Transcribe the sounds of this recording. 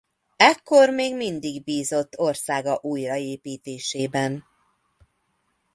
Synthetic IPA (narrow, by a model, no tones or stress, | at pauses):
ɛkːo̞rmeːɡmind̪iɡbiːzo̞t̪ːo̞rsaːɡɒʔuːjrɒeːpiːt̪eːʃeːbɛn